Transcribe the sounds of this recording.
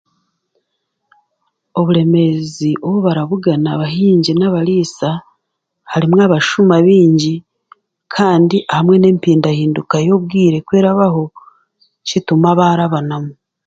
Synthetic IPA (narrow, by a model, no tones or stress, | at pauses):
o̞βuɾe̞me̞ziʔoβuβaɾaβuɡanaβaɦiːɲɟinaβaɾiːsa | haɾimŋaβaʃumaβiːɲɟi | kʰaːndiʔahamŋe̞ne̞ːmpiːndahiːndukajo̞βɡiːɾe̞kwe̞ːɾaβaho̞ | citumaβaːɾaβanamu